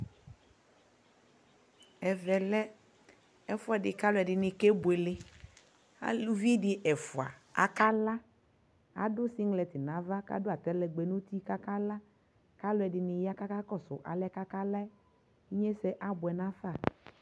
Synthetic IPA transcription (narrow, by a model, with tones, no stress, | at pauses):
ɛ˨vɛ˨lɛ˦ | ɛ˦fʊ˦ɛ˨ɖɪ˨ka˦lʊ˦ɛ˨ɖɪ˨nɪ̃˨ke˦bʊ˨e˨le˦ | a̰˦lu˦vi˦dɪ˨ʔɛ˨fʊ˨a̰˨a̰˨ka˦la˦ | a̰˨dʊ˦si˦ŋlɛ˨t̪ɪ˨nã˨˦va˦ka̰˦dʊ˦a˨t̪ɛ˦lɛ˨ɡ͡be˨nũ˦t̪i˦ka˦ka˦la˦ | ka˦lʊ˦ɛ˨ɖɪ˨nɪ̃˨ja˦ka˦ka˦kɔ˦sʊ̰˨ʔa̰˨lɛ˦ka˦ka˦la˦ɛ˦ | i˦ɲɛ˦sɛ˦ʔa˦bʊ˨ɛ˨nã˦fa˦˨